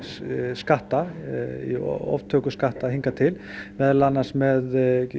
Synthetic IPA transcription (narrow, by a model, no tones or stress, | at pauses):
skaht̪aḭɔ̰vt̪ʰœːkʏskaht̪aɦiŋkat̪ʰɪl | mɛðlanːḁsmɛð